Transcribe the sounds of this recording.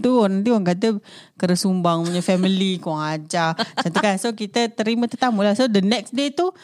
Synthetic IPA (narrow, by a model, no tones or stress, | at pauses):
t̪unant̪̬iwaŋkadəkəɾəsumbaŋmaɲəfɛmilikɔŋad͡ʒaant̪ukasokit̪ət̪əɾimət̪ət̪amulahsodənɛk̚sdet̪u